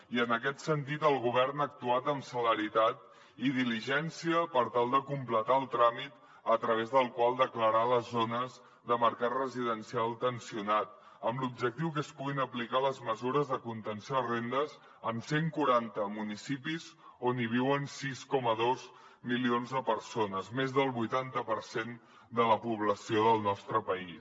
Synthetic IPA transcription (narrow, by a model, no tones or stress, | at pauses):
iənəkɛt̪sənt̪it̪əlˠɣuβ̞ɛrnək̚t̪uat̪əmsələɾit̪at̪ | iðiliʒɛnsiəpəɾt̪alˠd̪əkumplət̪aəlˠt̪ɾamit̪ | ət̪ɾəβ̞ezðəlˠkwalˠd̪əkləɾaləzːonəz | ðəməɾkat̪rəziðənsialˠt̪ənsiunat̪̚ | əmlub̚d͡ʒək̚t̪iwk̬əspuɣinəplikaləzməzuɾəzðəkunt̪ənsarend̪əz | əmseŋkuɾant̪əmunisipizoniβ̞iwənsiskɔməðoz | milionzðəpəɾsonəzmezðəlˠβujt̪ant̪əpəɾsen | d̪ələpuβləsioðəlˠnɔst̪ɾəpəis